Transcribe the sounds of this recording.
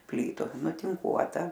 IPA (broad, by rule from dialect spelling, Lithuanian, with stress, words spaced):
ˈpʲlʲiːtʊ nʊtʲɪŋˈkuɔtɐ